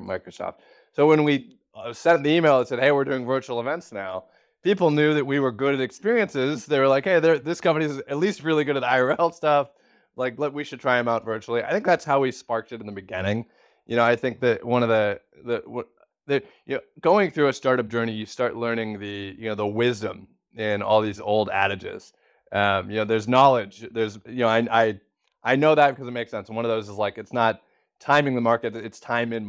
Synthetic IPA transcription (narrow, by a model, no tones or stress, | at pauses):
maɪkɹəsɔ̰ft̚ | soʊwə̃nwi | ʌsɛ̃nðiimeɪlˠə̃nsɛd̚heɪwəɹdʉɪ̃ŋvɜ˞t͡ʃul̩ˠəvɛ̃ntsnaʊ | pipl̩ˠnjʉðɨt̚wiwə˞ɡʊɾɨɾɨkspɪɹiɨ̃nsɪzðeɪwə˞laɪkheɪðə˞ðɪskʰʌ̃mpɨnizɨtˡlist̚ɹɪlˠiɡʊɾɨɾaɪə˞ɛlˠstʌf | laɪklɛt̚wiʃɨd̚tʰɹ̥aɪɨ̃mãʊ̃ntvɜ˞t͡ʃul̩ˠia̰ɪθɪ̃ŋk̚ðætshaʊwispɑɹk̚tɨɾn̩ðɨbɨɡɪ̰̃ñɪ̃ŋ | jɨnoʊaɪθɪ̃ŋk̚ðɨt̚wʌ̃nʌvðɨ | ðɨʌ | ðəjɨoʊɡ̥oʊɪ̃ŋθɹʉɨstɑɹɾʌp̚d̥ʒ̥ɜ˞nijɨstɑɹʔˡlɜ̃˞nɪ̃ŋðɨjɨnoʊðəwɪzdə̰̃m | ɪ̃nɔ̰lˠðizo̰ʊlˠdæ̰ɾɨd͡ʒɪ̰z̥ | ʌ̃mjɨnoʊðə˞znɑlˠɪ̥d͡ʒðə˞zjɨnoʊaɪʔaɪ | ʔaɪnoʊðɨt̚ɨkʰʌzɨt̚meɪksɛ̃nsn̩wʌ̃nʌvðoʊzəzlaɪkɨtsnət̚ʰ | ãɪ̃mɪ̃ŋðəmɑɹkɨɾɪtstʰãɪ̃mɨ̃n